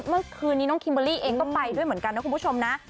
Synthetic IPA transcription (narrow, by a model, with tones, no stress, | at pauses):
mɯ˥˩ɐkʰɯː˧nːiː˦˥nɔ˦˥ŋkʰi˧mbə˧liː˥˩ʔeː˧ŋkɔː˥˩pa˧jdu˥˩jm˩˦ə˦nka˧nɔ˧˦˥ku˧mpʰt͡ɕʰo˧mna˦˥